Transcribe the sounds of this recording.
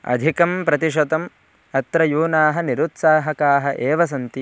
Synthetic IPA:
ɐ̰d̪ʱikɐmpɾɐt̪iʃ̬ɐd̪ɐm | ɐt̪ɾɐjuːnaːɦɐniɾut̪saːɦɐkaːɦɐʔeːʋɐs̬ɐnt̪i

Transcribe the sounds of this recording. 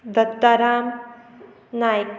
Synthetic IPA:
d̪ɐt̪ːaɾaːm | naːjk

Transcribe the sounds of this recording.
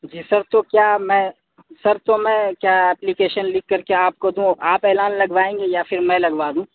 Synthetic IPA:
d͡ʒiːsɐɾt̪okjaːmɛ̃ | sɐɾt̪omɛ̃kjaːɛːplikeːʃənlɪkːɐɾkeaːp̚kod̪ũːʔaːpeːlaːnlɐɡʋaːẽːŋɡejafʰɪɾmɛ̃lɐɡʋaːd̪ũː

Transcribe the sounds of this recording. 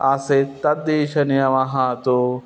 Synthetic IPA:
aːset̪ɐd̪iːʃʰɐnijɐʋaɦãːt̪o

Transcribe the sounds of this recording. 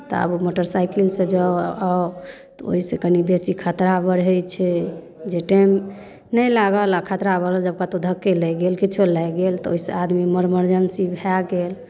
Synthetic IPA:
t̪ɔ̰ə̰bumoʈəɾsajkilsẽd͡ʒaa | t̪o̰ɦisekənibesikʰət̪ɾabəɽ̤ɛjt͡ʃʰɛ | d͡ʒeʈem | nəjlaɡəlakʰət̪ɾabəɾəld͡ʒəb̚kat̪od̪ʱəkːelɛɡelkit͡ʃʰolɛjɡelt̪ɔoɦisead̪miməɾməɾd͡ʒənsibʱaɡel

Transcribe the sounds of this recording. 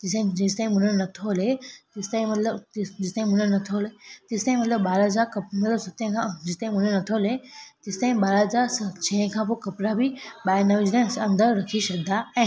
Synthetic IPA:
ɪ̃d͡ʑɪst̪aːĩmʊnəɾnɐt̪ʰolet̪ɪst̪ãːĩmɐt̪ləb̪d͡ʑɪst̪aːĩmʊnəɾnɐt̪ʰolet̪ɪst̪aːĩmɐt̪ləbːaːɾɦɐzaːɾkɐpmɐt̪ləbsɐt̪ːẽkʰãd͡ʒɪst̪aːĩmʊnənɐt̪ʰolet̪ɪst̪aːɦĩbaːɾɦəzaːɾsɐt͡ʃʰɛ̃ɦkʰãpokɐpɾabibaːjnəʋid͡ʒnẽsɐ̃nd̪əɾɾɐkʰisɐk̚d̪aɛ̃ː

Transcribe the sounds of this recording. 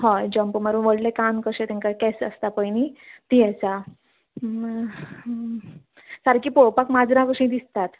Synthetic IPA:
ɦojd͡ʑəmpəməɾuːnʋəɽlekamkəɕẽt̪ẽŋkakɛsə̰st̪apəjnit̪ijɛt͡sa | saɾkiːpoɭpakmad͡zɾãkəɕĩd̪ist̪at̪

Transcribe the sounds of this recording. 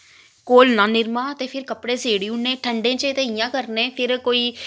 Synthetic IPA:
koːlnãːnɪɾmãːt̪eːpʰɪɾkəpɽeːseːɽiːʊɳːẽːʈʰəɳɖẽːt͡ʃət̪eɪjãːkəɾnẽːpʰɪɾkoːiː

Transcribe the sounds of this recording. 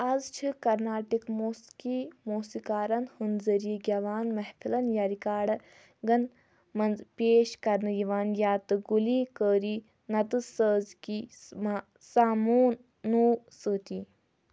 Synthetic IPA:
azt͡ʃʰikɐɾnaːʈikmoːskimoːsikaːɾɐnhɨnzɐɾiiɡʲɐʋaːnmɐhpʰilɐnjaɾikaːɽɐ | ɡɐn | mɐnpeːʃkɐɾnɨjiʋaːnjaːt̪ɨɡuliːkəːɾiː | nɐt̪ɨsəːzkima | saːmoːnː | uː | sɨːt̪i

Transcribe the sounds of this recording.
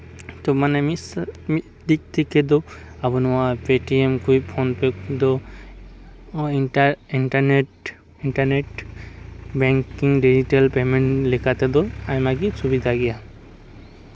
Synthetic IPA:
t̪ɔmanɛmis | d̪ik̚t̪ʰikɛd̪ɔabunɔwapeʈiemkʰujpʰɔnpekd̪ɔ | iainʈaneʈ | inʈaneʈ | bɛŋkiŋɖid͡ʒiʈalpemeɳʈlikʰat̪ɛd̪ɔajmaɡ̬isubid̪ʱaɡija

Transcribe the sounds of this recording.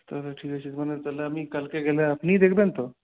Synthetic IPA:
t̪əɾʈʰiːkət͡ɕid͡zmənet̪əlaəmikalkeɡelaːpniːd̪ekʰbent̪o

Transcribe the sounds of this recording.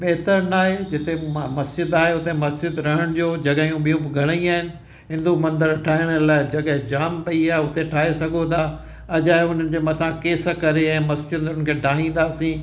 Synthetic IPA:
ɓeɦɪt̪əɾnaːɦed͡ʑɪt̪emɐsd͡ʑɪd̪aːɦeʊt̪emɐsd͡ʑɪd̪ɾɐɦəɽ̃d͡ʑoːd͡ʑɐɠəijũɓijũbɪɡʱɐɽ̃əĩaːɦɪnɪ̆ | ɦɪ̃nd̪umɐ̃nd̪əɾʈʰaːɦɪɽ̃əlaːɪd͡ʑɐɠɦɪ̃d͡ʑaːmpɐiaːeʊt̪eʈʰaːɦesɐɡʱot̪ʰaː | ɐd͡ʑaːɦeʊn̤ənɪ̆d͡ʑeːmɐt̪ʰãkeːsəkɐɾeɛ̃ːmɐsd͡ʑɪd̪ʊnənkʰeːɖʱaːɦĩːn̆d̪aːsĩː

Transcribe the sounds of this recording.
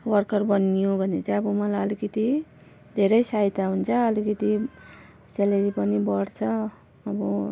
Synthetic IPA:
wʌrkʌrbʌnijõbʱʌnet͡saj̃ʌbʌmʌlajʌlikʌt̪i | d̪ʱeɾʌjsajt̪aɦunt͡sʰʌːlikʌt̪i | seleɾipʌnibʌɽt͡sʰʌː | bʌ

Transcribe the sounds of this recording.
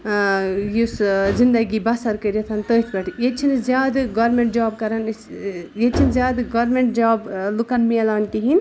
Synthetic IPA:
juszind̪ɐɡibɐsɐɾkəɾet̪ʰɐnt̪əːt̪ʰbɐʈʰjet͡ʃʰinzjaːd̪ɡɐɾmeɳʈ̚d͡ʒaːb̚kɐɾɐn | jet͡ʃʰinzʲjaːd̪ɡɐɾmeɳʈ̚d͡ʒaːblukɐnmielaːnt̪iɦin

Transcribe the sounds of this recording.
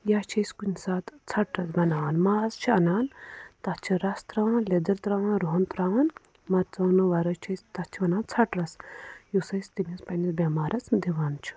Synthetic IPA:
jaːt͡ʃʰɐsʲkunʲsaːt̪t͡sʰɐʈɾɐsbɐnaːnmaːzt͡ʃʰiɐnaːnt̪ɐt͡ʃʰiɾɐst̪ɾãːled̪ɐɾt̪ɾãːɾoɦɐnt̪ɾaːn | mɐtt͡sɐːnɨʋɐɾɐt͡ʃʰɐsʲt̪ɐt͡ʃʰiʋɐnaːnt͡sʰɐʈɾɐsjusɐsʲt̪imʲispɐnʲɐsbʲɐmaːɾɐt͡sʰd̪iʋaːnt͡ʃʰi̥

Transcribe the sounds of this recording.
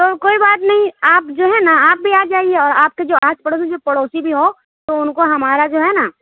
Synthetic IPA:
t̪okoːibaːt̪nɐɦĩaːpd͡ʒoːɦɛnaaːp̚bʱiaːd͡ʒaːieɔːɾaːp̚ked͡ʒoːaːt͡ʃpɐɽoːs̬ĩd͡ʒoːpɐɽoːsibʱiɦo | t̪oʊnkoɦɐmaːɾad͡ʒoːɦɛna

